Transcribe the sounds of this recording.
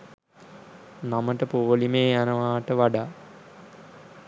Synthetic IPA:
naməʈəpoːlimeːjanəʋaːʈəʋaɖaː

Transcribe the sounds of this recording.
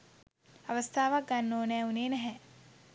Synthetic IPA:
ɐʋɐst̪ʰaːʋaɡɐnːoːnɛːuneːnɛɦɛ

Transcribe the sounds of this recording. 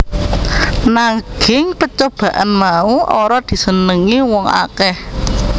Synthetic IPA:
naɡ̥ɪŋpət͡ʃob̥ä̤ʔanmauʔoɾɔd̪̥i̤sənəŋiwɔŋa̰kɛh

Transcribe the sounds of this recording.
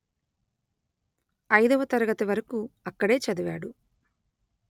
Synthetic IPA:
ɐjd̪ɐʋɐt̪ɐɾɐɡɐt̪ɐʋɐɾɐkuɐkːɐɽe̞ːt͡ʃɐd̪iʋa̰ːɽu

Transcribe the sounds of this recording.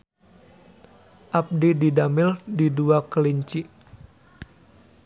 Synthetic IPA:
ʔap̚dididamɪldiduakəliɲt͡ʃiʔ

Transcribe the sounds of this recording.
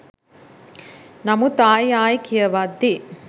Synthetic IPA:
nɐmut̪aːjaːjikijɐʋad̪ːi

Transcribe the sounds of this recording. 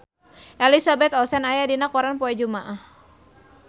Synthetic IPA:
ʔɛlisabɛt̪ɔsɛnajadinakɔɾanpɔɛd͡ʒumaʔah

